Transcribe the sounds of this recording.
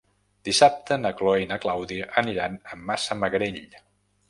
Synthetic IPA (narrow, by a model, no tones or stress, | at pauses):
d̪̥isap̚t̪ənəkloinəklawðiʔəniɾanəmːasəməɣɾeʎ